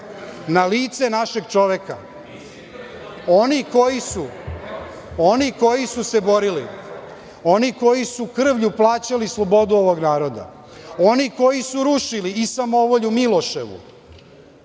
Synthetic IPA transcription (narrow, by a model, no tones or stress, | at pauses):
naliːt̪senaʃe̞ɡt͡ʃo̞ʋeka | oniko̞jisu | oniko̞jisuse̞bo̞ɾilḭ | o̞niko̞jisukr̩ʋʎuplˠaːt͡ɕalislˠo̞bo̞d̪uo̞ʋo̞ɡnaːɾo̞d̪a̰ | oniko̞jisuɾuʃiliːsamoʋoʎumilˠoʃḛʋṵ